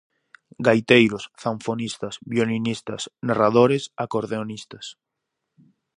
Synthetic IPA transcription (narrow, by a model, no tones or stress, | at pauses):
ɡajt̪ejɾosθaɱfonist̪asbjolinist̪ɐsnaraðoɾesakoɾðeonist̪ɐs